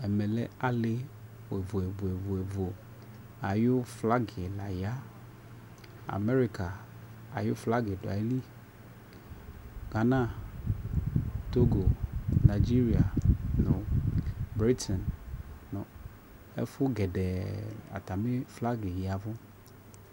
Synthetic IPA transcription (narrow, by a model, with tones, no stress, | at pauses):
ɛ˨mɛ˨lḛ˦a˦le˦ | wo˨e˨vo˨e˨vo˨e˨vo˨e˨vo˨ | a˨jʊ˦fla˦ɡe˨la˨ja˦ | a̰˨me˦ɾi˦ka˨a̰˨jʊ˦fla˦ɡe˨do˨a̰˨˦li˦ | ɡa˨nã˦ | t̪o˦ɡo˨na˨d͡ʒi˦ɾi˨a˨nõ˨ | bɾi˦t̪ɛ˨nnʊ̃˨ | ḛ˦fʊ˦ɡɛ˨ɖɛ˨a̰˨t̪a˨me˦fla˦ɡe˨ja˨vo˦